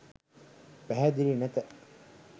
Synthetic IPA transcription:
pæɦæd̪ilinæt̪ə

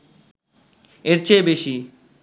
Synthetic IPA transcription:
eɾt͡ɕʰebeʃi

